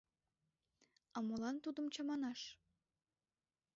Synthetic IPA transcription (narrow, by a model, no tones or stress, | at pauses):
ɑmolɑnt̪ud̪əmt͡ɕɑmɑnɑʃ